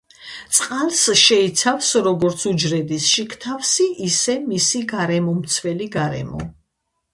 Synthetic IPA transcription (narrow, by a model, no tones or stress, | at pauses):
t̪sʼqʼalˠsʃɛit̪sʰafsɾɔɡɔɾt̪sʰud͡ʒɾɛd̪isʃikʰt̪ʰafsiʔisɛmisiɡaɾɛmɔmt̪sʰwɛliɡaɾɛ̰mɔ̰